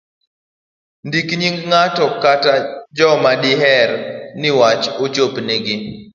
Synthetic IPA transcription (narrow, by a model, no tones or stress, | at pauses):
ndikɲiŋɡŋatɔkatad͡ʒɔmadɪɦɛɾnɪwat͡ʃot͡ʃopnɪɡɪ